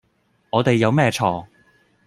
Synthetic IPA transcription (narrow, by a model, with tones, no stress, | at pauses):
ŋɔː˨˧t̪e˨jːɐ˨˧wmɛː˥˧t͡ʃʰɔː˨˩